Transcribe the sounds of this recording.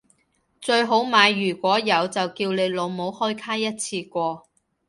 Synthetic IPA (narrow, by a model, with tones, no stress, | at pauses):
t͡sɵ˧ɥɦo˨˥wmaː˨˧jːyː˨˩kʷɔː˨˥jɐ˨˧wt͡sɐ˨wkiː˧wne˨˧jlo˨˧wmo˨˧˥whɔː˥jkʰaː˥jɐ˥t̚t͡sʰiː˧kʷɔː˧